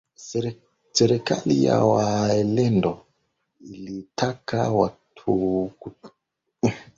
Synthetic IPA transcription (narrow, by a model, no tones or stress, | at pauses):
sɛɾɛka̰lija̰waɛlɛndɔ | ilitʰakawatʰuku